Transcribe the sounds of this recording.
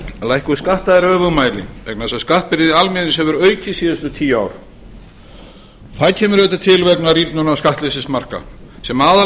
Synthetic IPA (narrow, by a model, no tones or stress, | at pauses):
lajhkʏskaht̪aðɪɾœːvʏmaːjlɪ̰vɛknasaskaht̪̚pɪɾðɪalmɛðnɪshɛvʏɾœːɥcɪsiːðast̪ʏt̪ʰiːjaːwɾ̥ | θaðcʰɛːmʏɾvɛːt̪at̪ʰɪlvɛknaɾit̪nʏnavskaht̪lɪsɪsmar̥ka̰sɛmaːða